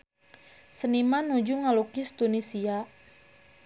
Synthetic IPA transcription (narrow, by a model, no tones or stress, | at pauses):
sənimanud͡ʒuŋalukɪst̪unisia